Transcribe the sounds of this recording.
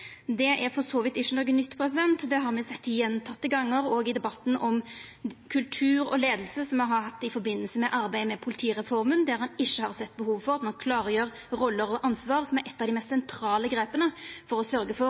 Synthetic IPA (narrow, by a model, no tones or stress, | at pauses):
d̪ɛʔæɾfɔsoːʋɪt̪ɪʃːənɔɡənːʏt̪ːpʰɾɛs̬ɪd̪ɛnt̪d̪ɛɦɑɾmɛsɛt̪ːɪjɛnːt̪ʰɑt̪ːəɡɑŋːəɾoːɡɪd̪ɛbɑt̪ːn̩ɔmkʰʉlt̪ʰʉːɾɔ̰leːd̪əlsəsɔmɑhɑɾhɑt̪ːɪfɔɾbɪnːəlsəmɛʔɑɾbæɪmɛpʰʊlɪt̪ʰiːɾɛfɔɾmənd̪æɾhɑnɪʃːəhɑɾsɛt̪ːbəhuːʋfɔʁɑt̪mɑnkʰlɑːɾəjøːɾ | ɾɔlːəɾɔʔɑnsʋɑːɾsɔmæɾʔɛt̪ːɑʋd̪ɪmɛst̪sɛnt̪ʰɾɑːləɡɾeːpənəfɔɾɔsœɾɡəfɔɾ